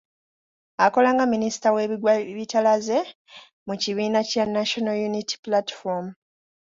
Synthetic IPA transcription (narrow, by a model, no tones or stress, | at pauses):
ako̞laːŋɡaminisi̥tawe̞ːwβitalaze̞ | muciβiːnacanaʃo̞naljunitʰi̥platfom